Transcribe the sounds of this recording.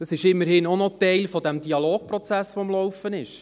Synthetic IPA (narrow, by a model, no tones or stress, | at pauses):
d̥ɑsɪʃɪmːəɾhɪnɔnɔtɛɪlfɔd̥ɛmd̥iɑloːk̚pɾɔt͡sæsʋomlɔwfənɪʃ